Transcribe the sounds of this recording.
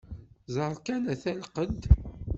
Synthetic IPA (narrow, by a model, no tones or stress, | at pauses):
zˤəɾˤkænæθælqəd̪